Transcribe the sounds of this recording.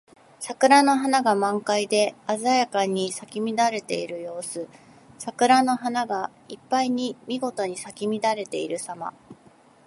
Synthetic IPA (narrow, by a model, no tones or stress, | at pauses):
sakɯ̟ɾano̞ɦanaɡamãŋkaid̪e̞azajakaɲ̟isakʲimʲid̪aɾe̞t̪e̞̰iɾɯ̟jo̞ːsɨ | sakɯ̟ɾano̞ɦanaɡa | ipːaiɲ̟imʲiɡo̞t̪o̞ɲ̟isakʲimʲid̪aɾe̞t̪e̞iɾɯ̟sama̰